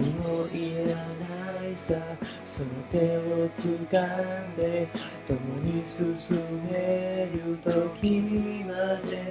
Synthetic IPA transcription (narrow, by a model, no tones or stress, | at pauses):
inoʔiɾanaisa | soot̪e̞ot͡sɨkand̪e̞ | t̪omoɲisɨsɨmeɾɯt̪okʰʲimad̪e